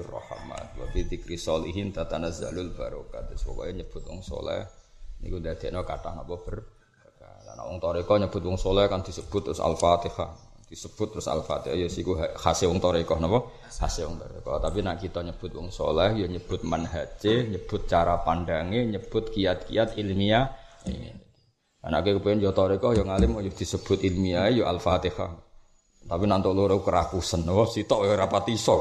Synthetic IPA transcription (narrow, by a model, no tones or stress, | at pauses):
rɔ̰ha̰ma̰t̪̚wa̰pid̪ikɾisɔlḭɦint̪at̪anasd͡ʒa̰lʊlbaɾokad̪ɪswɔ̰kɔ̰jaɲəb̥ʊt̪̚wɔ̰ŋso̰lɛ̰hnḭkundad̪̥ɛʔnɔkat̪ahnapɔb̥ər | akaka̰na̰wɔ̰ŋt̪ɔɾekɔhɲəb̥ʊt̪̚wɔŋsolɛhkand̪̥isəb̥ʊt̪ːɾʊsa̰lfat̪ihah | d̪̥isəb̥ʊt̪̚ːɾʊsa̰lfa̰t̪ihajɔsikuɦahasewɔŋt̪ɔɾekɔhnapɔ | hasewɔ̰ŋt̪ɔɾḛkɔ̰t̪apinaʔkit̪ɔɲəb̥ʊt̪̚wɔ̰ŋso̰lɛhjɔɲəb̥ʊt̪̚manɦat͡ʃeɲəb̥ʊt̪̚t͡ʃaɾapandaŋeɲəb̥ʊt̪̚kiat̪̚kḭat̪ilmiaḭnḭ | a̰nakukəpuɪnjɔt̪ɔɾekɔhjɔŋalɪmɔjʊd̪̥i̤səb̥ʊt̪ilmiaejɔalfat̪iha̰ | t̪apinaʔnt̪oluɾoukəɾakusənːɔpɔsit̪ɔʔɾapat̪isɔ